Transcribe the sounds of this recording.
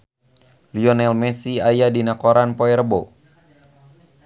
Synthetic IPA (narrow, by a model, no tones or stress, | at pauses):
liɔnɛlmɛsiajadinakoɾanpoɛɾəbo